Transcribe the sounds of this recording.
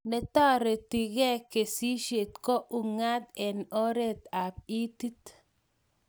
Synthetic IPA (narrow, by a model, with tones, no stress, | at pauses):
nɛ˨t̪ɔ˦ɾe˨t̪i˨ɣɛ˦ke˨si˦ʃe˨t̪kɔ˦ʔu˨ŋa˦t̪ɛ˨nɔ˦ɾe˦t̪a˨p̚i˦t̪i˦t̪